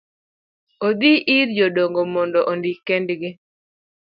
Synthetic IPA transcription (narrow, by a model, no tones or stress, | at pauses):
od̪iʔiɾd͡ʒodoŋɡomɔndɔʔondikendɡɪ